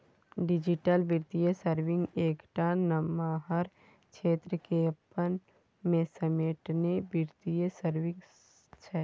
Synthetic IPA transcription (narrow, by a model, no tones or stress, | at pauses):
ɖɪd͡ʒiʈəlbɪɾt̪ijəsəɾʋɪ̃ŋɡeːkʈanɐmaːɦəɾ | kʃeːt̪ɾəkepən | mẽsɐmeːʈnebɪɾt̪ijəsəɾʋɪ̃ŋɡ | t͡ʃʰɛ